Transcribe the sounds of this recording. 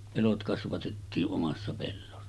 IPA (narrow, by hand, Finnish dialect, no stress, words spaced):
elot kɑsʋɑtetːiːʔ ʔomɑsːɑ pelːosːɑ